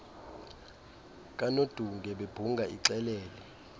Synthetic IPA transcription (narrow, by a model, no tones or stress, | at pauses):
k̬ʼanod̥ʱuŋɡʱɛɓeb̥ʱuŋɡʱaʔiǁɛlɛːlɛ